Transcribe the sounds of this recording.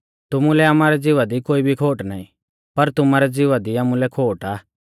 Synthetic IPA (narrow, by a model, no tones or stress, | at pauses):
t̪ʊmulɛamaːɾɛd͡zɪʋad̪ikoːibʱikʰoːʈnaːḭ̃ | pɐɾt̪ʊmaːɾɛd͡zɪʋad̪iaːmulɛkʰoːʈaː